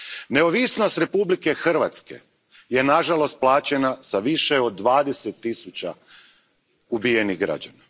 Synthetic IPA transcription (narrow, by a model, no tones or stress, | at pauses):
ne̞oʋisno̞st̪ɾe̞publike̞xr̩ʋat̪ske̞̰ | je̞naʒalo̞st̪̚plˠaːt͡ɕe̞nasaʋiʃeo̞d̪ːʋaːd̪eset̪ːisut͡ɕa̰ | ubije̞niɣɡɾa̰d͡ʑana